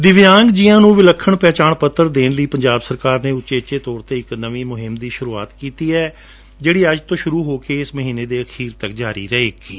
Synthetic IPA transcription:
d̪ɪʋjãːŋɡd͡ʒɪjãːnũːʋɪləkʰːəɳpɛːt͡ʃaːɳpət̪ːəɾd̪eːnləiːpəɲd͡ʒaːbsəɾkaːɾneːʊʃeːt͡ʃeːt̪ɔːɾt̪eːɪknəʋiːmʊɦɪmd̪iːʃʊɾuːa̰ːt̪kiːt̪iːɛː | d͡ʒeːɽiːəd͡ʒt̪õːʃʊɾuːɦoːkeːɪsməɦiːneːd̪eːəkʰiːɾt̪əkd͡ʒaːɾḭːɾɛeːkiː

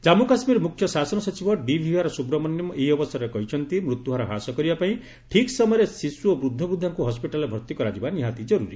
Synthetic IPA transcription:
d͡ʒamukasmiɾmukʰjɔsasɔnɔsɔt͡ʃibʱɔɖibʱiɦaɾɔsubɾɔmɔnjɔmɔʔeɦiɔbɔsaɾɾekɔɦit͡ʃʰɔnt̪imɾut̪juɦaɾɔɦasɔkɔɾibapaĩ | ʈʰiksɔmɔjɾesisuobɾud̪ʱːɔbud̪ʱːaŋkuɦɔspiʈalebʱɔɾt̪ikɔɾad͡ʒibaniɦat̪id͡ʒɔɾuɾi

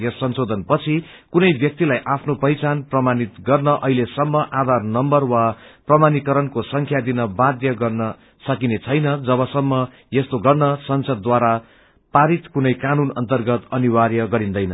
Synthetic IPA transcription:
jesːʌnsod̪ʱʌnpʌt͡sʰi | kunʌjbjʌk̚t̪ilajʔapʰnopʌjt͡sanprʌmanit̪ɡʌrnʌʔʌɦilesʌmːʌʔad̪ʱarnʌmbʌrwaprʌmanikʌɾʌnkosʌŋkʰjad̪inʌbad̪jʌɡʌrnʌ | sʌkinet͡sʰʌjnʌd͡zʌβʌsʌmːʌ | jest̪oɡʌrnʌsʌnsʌd̪̚ːwaɾa | paɾit̪kunʌjkanunʌ̰nt̪ʌrɡʌt̪ʌniwaɾjʌɡʌɾind̪ʌjnʌ

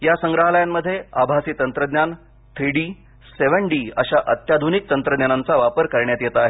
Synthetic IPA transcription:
jasəŋɡɾəɦləjamːəd̪ʱːjeabʱasiːt̪ənt̪ɾəd̪njan | t̪ʰɾiɽiː | seʋəɳɖiːəɕaʔət̪jad̪ʱunik̚t̪ənt̪ɾəd̪njanant͡saʋapəɾkəɾɳjat̪jet̪aːɦe

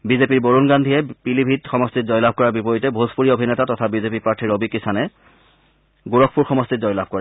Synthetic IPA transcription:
bizepiɹboɹunɡandʱiɛpilibʱitxɔmɔstitzɔjlabʱkɔɹaɹbipɔjitɛbʱozpuɹiobʱinɛtatɔtʰabizepipaɹtʰiɹobikisanɛ | ɡuɹɔkʰpuɹxɔmɔstitzɔjlabʱkɔɹɛ

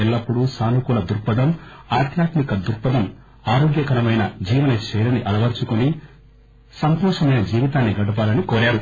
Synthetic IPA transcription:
ɛlːɐpːuɽusaːnukulɐd̪uɾpɐd̪ɐmaːɾd̪ʱjaːt̪mikɐd̪uɾpɐd̪ɐm | aːɾoːɡjɐkɐɾɐmɐjnɐd͡ʒiːʋɐnɐt͡ʃɛːjlɐniʔɐlɐʋɐɾt͡ʃukuni | sɐnt̪ɔːʂɐmɐjnɐd͡ʒiːʋit̪aːnːiɡɐɽɐp̬aːlɐnikoːɾaːɾu

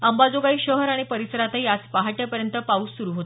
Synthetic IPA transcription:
əmbad͡zoɡaiːɕəɦəɾaɽ̃ipəɾisəɾat̪aiat͡spaɦaʈjapəɾjənt̪əpauːsuɾuɦot̪o

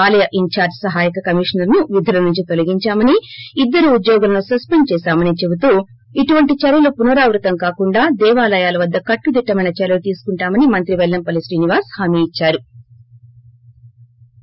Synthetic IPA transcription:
aːlɐjɐʔiɲt͡ʃaːɾd͡ʒsɐɦaːjikɐkɐmiʂnɐɾnuʋid̪ʱulɐnuɲt͡ʃit̪o̞liɡiɲt͡ʃaːmɐniid̪ːɐɾuːd̪jɔːɡulɐnusɐspent͡ʃɛːsaːmɐnit͡ʃe̞but̪uː | iʈuʋɐɳʈit͡ʃɐɾɐlupunɐɾaːʋɾut̪ɐmkaːkuɳɖaːd̪ɛːʋaːlɐjaːlɐʋɐd̪ːɐkɐʈːud̪iʈːɐmɐjnɐt͡ʃɛlɐlut̪iːsu̥kuɳʈaːmɐnimɐnt̪ɾiʋɛɭːɐmpɐlisʈiːniʋaːshaːmiːt͡ʃːaːɾu

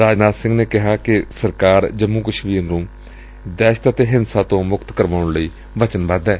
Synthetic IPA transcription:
ɾaːd͡ʒnaːd̪sɪ̃ŋɡneːkɪɦaːkɪsəɾkaːɾd͡ʒəmːuːkəʃʋiːnnõː | d̪ɛːʃt̪ət̪eːɦɪnsaːt̪õːmʊkt̪kəɾʋaːʊɳləiː | ʋət͡ʃənʋãd̪ɛː

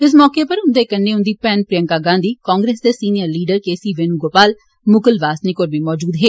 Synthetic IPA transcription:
ɪs̬mɔːkeːpəɾɦʊnd̪eːkənːeːʊ̃nd̪iːpɛːnpɾɪjəŋkaːɡãːnd̪iːkãːŋɡɾeːsd̪eːsiːnijəɾliːɖəɾkeːsiːʋeːnũːɡoːpaːl | mʊkəlʋaːsniːkoːɾbiːmɔːd͡ʒuːd̪ɦeː

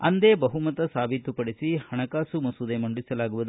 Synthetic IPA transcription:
ɐnd̪eːbɐɦumɐt̪ɐsaːbʱit̪ːupɐɽisihɐɳɐkaːsumɐsud̪emɐɳɖisɐlaːɡuʋud̪

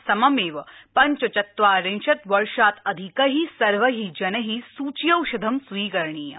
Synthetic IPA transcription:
sɐmɐmeːʋɐpɐɲt͡ʃɐt͡ʃɐt̪ʋaːɾenʃɐt̪ʋɐɾʃaːt̪ɐd̪ʱikɐɦisɐɾʋɐɦid͡ʒɐnɐɦisuːt͡ʃjɐwʃɐd̪ʱɐmsuiːkɐɾɳiːjɐ̰

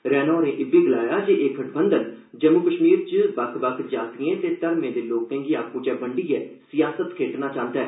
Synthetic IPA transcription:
ɾɛːnõːɾẽːʔɪbeːɡɪlaːjaːd͡ʒeːʔeːkʰəʈʰbənd̪ən | d͡ʒəmukəʃmiːɾt͡ʃəbəkʰbəkʰd͡ʒaːt̪ɪẽːt̪eːt̪əɾmẽːd̪eːloːkːɛ̃ːŋɡiːaːkõːt͡ʃɛːbəɳɖiːɛːsɪjaːsət̪kʰeːʈnaːt͡ʃãːnt̪ɛː

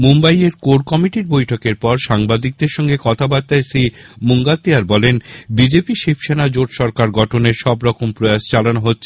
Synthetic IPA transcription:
mumbajeɾkoɽkɔmiʈiɾbojʈʰokeɾpɔɾʃaŋbad̪ik̚d̪eɾʃɔŋɡekɔt̪ʰabat̪ːaesimuŋɡat̪ːeaɾbɔlenbid͡ʑepiʃepʰʃenad͡ʑoʈʃɔɾkaɾɡɔʈʰoneɾʃɔbɾɔkompɾojaʃt͡ɕalanoɦotːɕʰe

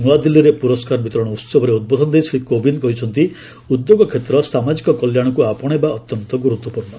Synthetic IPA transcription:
nuwad̪ilːiɾepuɾɔskaɾɔbit̪ɔɾɔɽ̃ɔut̪sɔbɔɾeud̪̚bɔd̪ʱɔnɔd̪esɾikobinkɔɦit͡ʃʰɔnt̪i | ud̪joɡɔkʰet̪ɾɔsamad͡ʒikɔkɔljaɽ̃ɔkuapɔɽ̃ebaɔt̪jɔnt̪ɔɡuɾut̪wɔpuɾɳɔ

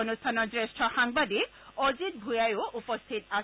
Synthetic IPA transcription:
onust̪ʰanɔɹsɹesʈʰɔxaŋbadiozit̪̚bʱujajoʔupɔst̪ʰit̪a

